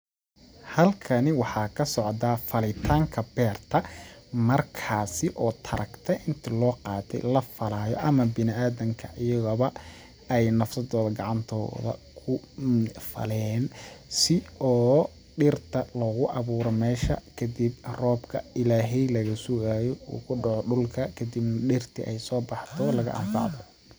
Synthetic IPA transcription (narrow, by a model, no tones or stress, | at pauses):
hɐlkʰɐnɪwɑħɑːkʰɐsɔʕd̪aːfɐlɪt̪ʰaːŋkʰɐbɛːrt̪ʰɐmɐrkʰaːsɪʔɔːt̪ʰɐɾʔɐkt̪ʰɛʔɪnt̪ʰɐlɔːqɑːt̪ʰɛ̰jlɐfɐlaːjɔ̰ʔɐmɐbɪnɪaːðɐŋkʰɐʔɪjɐɣɐβɐ | ɛjnɐfsɐd̪ɔːðɐɡɑʕɑnt̪ʰɔ̰ːðɐ̰ | kʰʊ | fɐ̰lɛːnsɪʔɔː | ɖɪrt̪ʰɐlɔːɣʊʔɑβuːɾɔmɛːʃɐ̰kʰɐd̪ibrɔːbkʰɐɪlaːɦɛjlɐɣɐsʊɣaːjɔṵːkʰʊɖɑʕɔɖʊlkʰɐkʰɐd̪ibnɐɖɪrt̪ʰɪ̰ʔɛjsɔːbɑħt̪ʰɔlɐɣɐ̰ʔɐ̰mfɑ̰ʕd̪ɔ